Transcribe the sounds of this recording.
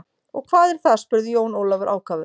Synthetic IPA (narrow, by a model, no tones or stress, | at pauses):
ɔ̰ɣkʰvaːðɛɾ̥θaspʏɾðɪjoːwnoːwlavɪɾʔa̰ːwkaːvʏ